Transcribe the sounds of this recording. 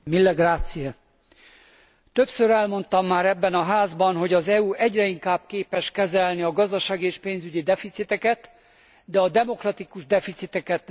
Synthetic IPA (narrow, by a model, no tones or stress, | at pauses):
milːɛɡraːt̪siɛ | t̪ø̞psøɾɛlmo̞nt̪ɒmːaːɾɛbːɛnɒɦaːzbɒnɦo̞ɟɒzɛuɛɟrɛiŋkaːbkeːpɛʃkɛzɛlniɒɡɒzd̪ɒʃaːɡieːʃpeːnzyɟid̪ɛfit̪sit̪ɛkɛt̪ | d̪ɛɒd̪ɛmo̞krɒt̪ikuʒd̪ɛfit̪sit̪ɛkɛt̪